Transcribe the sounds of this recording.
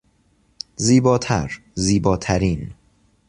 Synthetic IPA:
ziːbɒːt̪ʰæ̰ɾ | ziːbɒːt̪ʰæɾiːn

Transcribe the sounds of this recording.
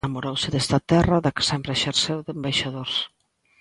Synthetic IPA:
amoɾowsɪðest̪at̪ɛraðakɪ̥sɛmpɾeʃeɾsewðembajʃaðoɾs

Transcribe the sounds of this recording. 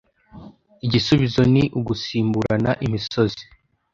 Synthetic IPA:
iɟisuβizo̞niʔuɡusiːmbuɾanaʔimiso̞zi̥

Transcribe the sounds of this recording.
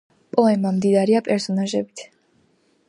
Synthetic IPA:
pʼɔɛmamd̪id̪aɾiapʼɛɾsɔnaʒɛbit̪ʰ

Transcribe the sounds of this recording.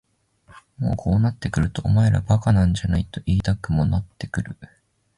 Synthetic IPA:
mo̞ːkʰo̞ːnat̪ːe̞kɯ̟ɾɯ̟t̪o̞̰ːmaeɾa̰bakanãɲ̟d͡ʑanait̪o̞ʔiːt̪akɯ̟mo̞nat̪ːe̞̥kɯ̟ɾɯ̟

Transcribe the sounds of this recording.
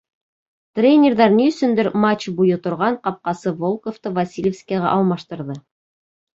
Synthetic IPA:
t̪rʲenʲerðɑɾniɵ̆sɵnd̪ɘɾmat͡ɕbujɤt̪ŏɾʁɑɴqɑp̚qɑsɤvolˠkoft̪ɤvasʲilʲefskʲæʁæ̰ʔɑlˠmɑʃt̪ɤ̆ɾðɤ

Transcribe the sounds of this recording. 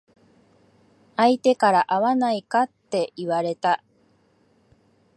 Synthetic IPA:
ait̪e̞kaɾaʔaβanaikat̪ːe̞iβaɾe̞t̪a

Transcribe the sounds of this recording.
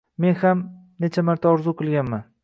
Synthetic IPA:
me̞nham | net͡ʃʰamaɾt̪ʰaɒɾzuqʰɨlˠɡʲanman

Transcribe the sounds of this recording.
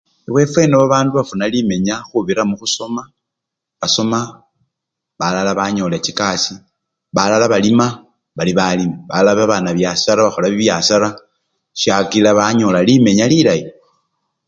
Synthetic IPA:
eβwe̞fwe̞noβaβaːnduβafunalime̞ɲaxuβiɾamuxuso̞ma | βaso̞ma | βalalaβaɲolet͡ʃikasi | βalalaβalima | βaliβalimeβalaβaβanaβjasaɾaβaxolaβiβjasaɾa | ʃjakilaβaɲolalime̞ɲalilaji

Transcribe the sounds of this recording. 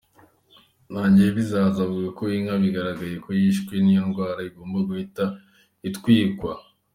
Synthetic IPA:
naːɲɟijeβizaːzavuɡakoiŋaβiɡaɾaɡaje̞kʰojiʃkwenijoŋɡwaːɾaiɡo̞ːmbaɡuhita | itkwiːkwa

